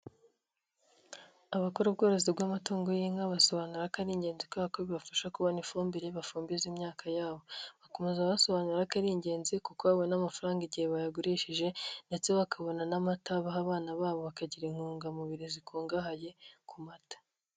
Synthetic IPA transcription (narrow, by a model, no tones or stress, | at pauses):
aβako̞ɾobɡoːɾozibɡamatoːŋɡojiːŋaβaso̞βanuɾakaɾiːɲɟe̞ːnzikakoβiβafaʃakuβonifuːmbiɾeβafuːmbizimɲaːkʰajaːβo̞βako̞me̞zaβaso̞βanuɾakaɾiːɲɟe̞ːnzikukoaβwenamafaɾaːŋɡiɟiheβajaɡoɾiʃiʒe̞nde̞t͡se̞βakʰaβo̞nanamataβaɦaβaːnaβaːβo̞βakaɟiɾiŋhuːŋɡamuβiɾizikʰoːŋɡaɦaje̞kʰumatḁ